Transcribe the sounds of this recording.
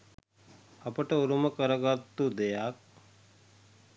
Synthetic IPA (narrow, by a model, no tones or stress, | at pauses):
ɐpəʈɐuɾuməkəɾɐɡat̪ːud̪ejak̚